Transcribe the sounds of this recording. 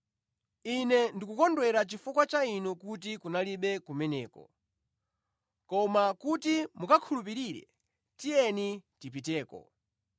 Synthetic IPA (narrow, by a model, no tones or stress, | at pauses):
inɛndikukɔndwɛɾat͡ʃifukwat͡ʃainukut̬ikunaliɓɛkumɛnɛ̰ːkɔ̰ | kɔmakutimukakʰulup̬iɾiɾɛ̰ | tijɛnitip̬it̬ɛːkɔ̰